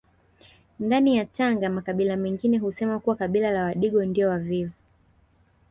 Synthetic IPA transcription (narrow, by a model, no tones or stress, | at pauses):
ndanijataŋɡamakaɓilamɛŋɡinɛhusɛmakuwakaɓilalawaɗiɠɔndiɔwavivu